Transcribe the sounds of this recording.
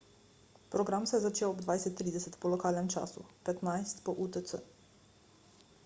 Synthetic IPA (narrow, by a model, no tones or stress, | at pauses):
pɾɔɡɾamsɛjɛzat͡ʃeːwɔbd̪vʋajsɛt̪ːɾiːd̪ɛsɛt̪pɔlɔkaːlnɛmt͡ʃa̰ːsṵpɛt̪najst̪pɔʔut̪əsə